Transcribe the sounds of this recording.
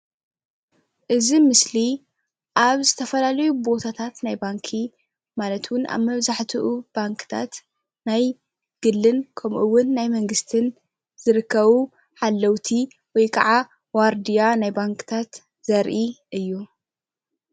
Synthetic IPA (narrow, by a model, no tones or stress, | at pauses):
ʔɨzimɨsli | ʔaβzɨt̪ʰɐfɐlalɐjubo̞t̪ʰat̪ʰat̪najbaŋkʰi | malɐt̪ʰwʊna̰βmɐβzaħt̪ʰɨʔub̥aŋkʰɨ̥t̪ʰa̰t̪ | naj | ɡ̥ɨlːɨnkʰɐmʔuwʊnːajmɐŋɡɨst̪ʰɨn | z̥ɨɾɨkʰːɐβu | ħalːɐwt̪ʰi | wɔjkʰɐʕa | waɾd̪ijanajbaŋkɨ̥t̪ʰat̪ | z̥ɐɾʔiʔɨjːu